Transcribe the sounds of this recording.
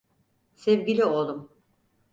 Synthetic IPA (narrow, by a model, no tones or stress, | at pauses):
sɛvɟilʲiolˠum